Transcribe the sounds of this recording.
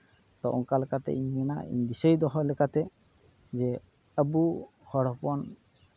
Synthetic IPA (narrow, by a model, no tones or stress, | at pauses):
t̪ɔʔɔŋkalɛkat̪ɛ̰ʔiɲːɛna̰ḭɲbisəjd̪ɔɦɔlɛkat̪ɛ | d͡ʒɛ | əbu | hɔɽɔpɔn